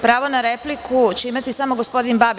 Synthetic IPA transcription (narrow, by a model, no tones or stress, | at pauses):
pɾaːʋo̞naɾeplikʰut͡ɕeimat̪isamoɡospo̞d̪inbab